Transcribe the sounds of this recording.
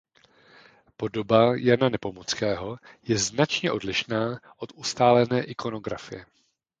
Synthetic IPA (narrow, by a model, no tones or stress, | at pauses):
po̞do̞bajɛnanɛpo̞mot͡skɛːɦo̞jɛznat͡ʃɲɛʔo̞dlɪʃnaːʔot̪ʔust̪aːlɛnɛːʔɪkʰo̞no̞ɡɾa̰fɪjɛ